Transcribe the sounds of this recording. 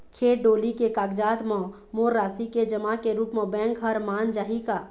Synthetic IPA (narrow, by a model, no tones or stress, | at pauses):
kʰeːʈɖoːlikekaːɡd͡ʒaːt̪mə̃ | moːɾːaːsiked͡ʒəmakeɾuːpmẽbɛ̃ːŋkɦəɾmaːnd͡ʒaːɦikaː